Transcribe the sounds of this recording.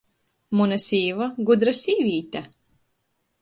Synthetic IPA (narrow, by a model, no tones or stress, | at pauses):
munasʲiːvaɡud̪ɾasʲiːvʲiːt̪ʲa